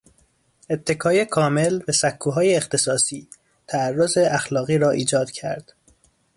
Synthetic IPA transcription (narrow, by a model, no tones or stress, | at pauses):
e̞t̪ʰːe̞kʰɒːjekʰɒːme̞lbæsækʰːuːɦɒːjeːxt̪ʰe̞sɒːsiː | t̪ʰæærːozeʔæxlɒːɣiːɾɒːʔiːd͡ʒɒːd̪̥cʰæɾd̪̥